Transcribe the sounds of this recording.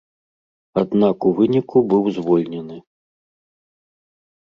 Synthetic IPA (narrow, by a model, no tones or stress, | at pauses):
ad̪nakuvɨnʲikʰubɨwzvɔlʲnʲɛnɨ